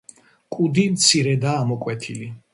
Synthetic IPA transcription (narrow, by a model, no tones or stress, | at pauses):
kʼud̪imt̪sʰiɾɛd̪aːmɔkʼwɛt̪ʰili